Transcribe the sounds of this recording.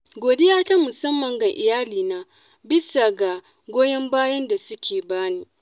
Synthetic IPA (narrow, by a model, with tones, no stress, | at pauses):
ɡʷoː˨dɪ˦jaː˦ta˦mʊ˨sɐ˦mːɐ˨ŋɡɐ˦ŋʔɪ˨jaː˦liː˨naː˦ | bɪ˦sa˨ɡa˨ | ɡʷoː˦jɐ˦mbaː˦jɐ˦nda˨sʊ˦kʲʰeː˨baː˦niː˦